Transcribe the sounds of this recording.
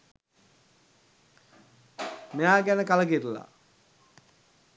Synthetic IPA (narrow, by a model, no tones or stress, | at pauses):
mejaːɡænəkaləɡirla̰